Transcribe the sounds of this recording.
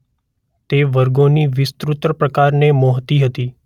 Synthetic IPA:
t̪eʋəɾɡoniʋɪst̪ɾut̪ɾəpɾəkaɾnemoɦt̪iɦət̪i

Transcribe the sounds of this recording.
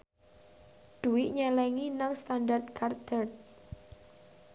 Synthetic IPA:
d̪̥uwɪʔɲɛlɛŋinaŋst̪andart̪̚kard̪ərt̪̚

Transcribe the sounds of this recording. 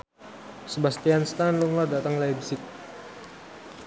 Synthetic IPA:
səbast̪ianst̪anluŋladat̪əŋlabisɪk̚

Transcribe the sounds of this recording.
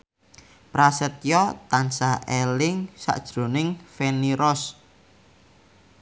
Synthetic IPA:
pɾasət̪jɔt̪ansaʔelɪŋsa̰ʔd̥ʒ̥ɾo̤nɪŋfeniɾɔs

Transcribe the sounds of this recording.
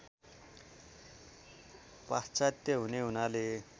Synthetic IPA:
past͡sat̪jʌɦuneɦunale

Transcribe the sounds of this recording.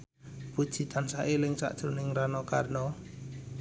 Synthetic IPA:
pud̥ʒ̥i̤t̪ansaʔelɪŋsa̰ʔd̥ʒ̥ɾunɪŋranɔkarnɔ

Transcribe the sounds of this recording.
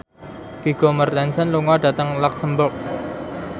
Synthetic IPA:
fiɡ̥ɔmərt̪ɛnsənluŋaɖ̥at̪əŋlɔksəmbʊrk̚

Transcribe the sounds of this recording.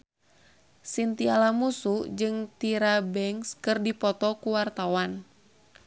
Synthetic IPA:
sint̪ialamusud͡ʒɨŋt̪iɾabɛŋskɨrdipɔt̪ɔkuwart̪awan

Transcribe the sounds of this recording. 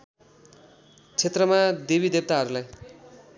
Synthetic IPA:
t͡sʰet̪rʌmad̪ebid̪eb̚t̪aɦʌɾulaj

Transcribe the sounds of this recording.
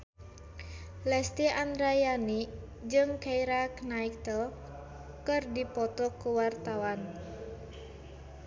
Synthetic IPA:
lɛst̪iand̪ɾajani | d͡ʒɨŋkaiɾaknaikt̪əl | kɨrdipɔt̪ɔkuwart̪awan

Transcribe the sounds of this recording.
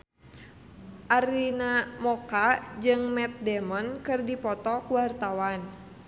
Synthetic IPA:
ʔaɾinamɔkad͡ʒɨŋmɛt̪̚dɛmɔnkɨrdipɔt̪ɔkuwart̪awan

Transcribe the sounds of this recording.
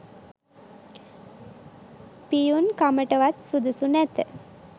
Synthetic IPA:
pijunkaməʈəʋat̪sud̪usunɛt̪ə

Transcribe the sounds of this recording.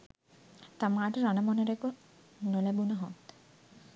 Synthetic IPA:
t̪amaʈɾanamɔneɾeko | nolebunaɦɔt̪

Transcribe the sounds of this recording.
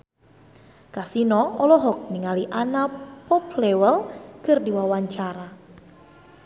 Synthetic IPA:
kasinɔɔlɔɦɔk̚niŋaliʔanapɔplewəlkɨrdiwawaɲt͡ʃaɾa

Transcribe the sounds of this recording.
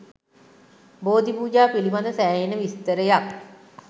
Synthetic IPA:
boːd̪ipuːd͡ʒaːpilibad̪əsæːinəʋist̪əɾəjak̚

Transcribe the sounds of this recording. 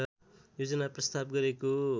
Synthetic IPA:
jod͡zʌnaprʌst̪abɡʌɾeko

